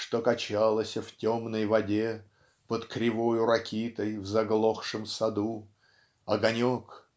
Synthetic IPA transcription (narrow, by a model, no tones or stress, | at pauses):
ʂt̪okɐt͡ɕalˠəsʲəftʲomnəjvɐdʲe | pət̪kɾʲɪvojʊɾɐkʲit̪əjvzɐɡlˠoxʂɨmsɐd̪u | ɐɡɐnʲok